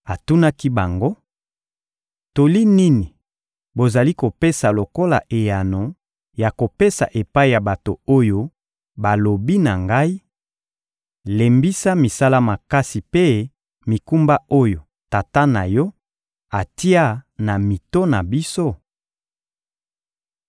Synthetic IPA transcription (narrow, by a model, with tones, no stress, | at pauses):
a˨tu˦na˦ki˦ba˨ŋɡo˦ | to˨li˦ni˦ni˨ | bo˨za˨li˦ko˨pe˦sa˨lo˨ko˦la̰˨ʔe˨ja˨no˨ | ja˨ko˨pe˦sa̰˨ʔe˨pa˦i˦˨ja˨ba˨to˨o˦jo˦ | ba˨lo˨bi˦na˨ŋɡa˦i˦ | le˨mbi˦sa˦mi˨sa˦la˦ma˨ka˦si˨pe˦ | mi˨ku˦mba˦o˦jo˨ | ta˨ta˦na˨jɔ˦ | a˨ti˦a˦na˨mi˨to˦na˨bi˦so˦